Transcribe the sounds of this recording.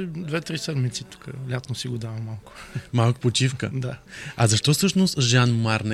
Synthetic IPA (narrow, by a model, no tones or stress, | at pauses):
d̪vɛt̪ɾisɛd̪mit̪sit̪u̥kəlʲat̪nosiɡod̪avɐmalˠkʊ̥malˠkʊ̥pot͡ʃifkəd̪aɐzɐʃt̪ɔfsɤʃnost̪ʒanmaɾn